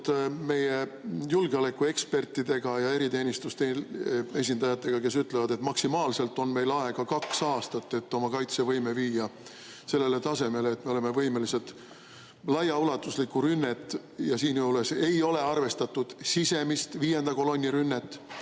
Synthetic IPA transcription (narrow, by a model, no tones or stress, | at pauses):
t̪me̞jejulɡ̥eɑle̞kːue̞kspe̞rt̪ːid̪e̞ɡ̥ɑjɑe̞ɾit̪e̞ːnʲist̪ust̪ee̞s̬ʲind̪ɑjɑt̪ːˑe̞ɡ̥ɑke̞syt̪ˑlevɑd̪̥e̞t̪mɑksimɑːlse̞lt̪ːˑo̞nme̞jlɑe̞ɡ̥ɑkɑksɑːst̪ɑt̪ːe̞t̪ːo̞mɑkɑjt̪se̞vɤjme̞viːjːɑ | se̞lːe̞le̞t̪ɑse̞me̞leːt̪ːme̞o̞le̞me̞vɤjme̞lise̞lt̪ | lɑjɑulɑt̪ːˑuslikːˑuɾynːet̪ːˑ | jɑsiːnjowle̞se̞jo̞le̞ɑrve̞st̪ɑt̪ːˑud̪̥sise̞mist̪viːje̞nd̪̥ɑko̞lo̞nʲːiɾynːet̪ːˑ